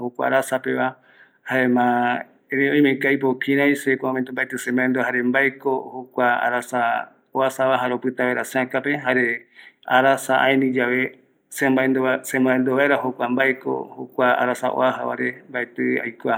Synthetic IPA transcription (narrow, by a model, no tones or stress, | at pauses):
hokʷa̰a̰ɾasapeβa | haemã | eɾẽõj̃mẽkajpokʰĩɾãjsekoõmẽnt̪ombaet̪ɨsẽmbaend̪ohaɾe̞mbaekohokʷaa̰ɾasa | oasaβaɦaɾeopɨt̪aβaeɾaseãkape̞ɦaɾe | aɾasaʔaenĩd͡ʒaβe | sembaensẽmbaend̪oβaeɾahokʷambaeko̰hokʷaa̰ɾasa̰ʔo̰aɦa̰βaɾe̞mbaet̪ɨa̰jkoa